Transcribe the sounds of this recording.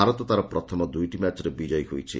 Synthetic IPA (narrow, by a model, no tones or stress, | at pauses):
aɾɔt̪ɔt̪aɾɔpɾɔt̪ʰɔmɔd̪ujʈimat͡ʃɔɾebid͡ʒɔjɦojt͡ʃʰḭ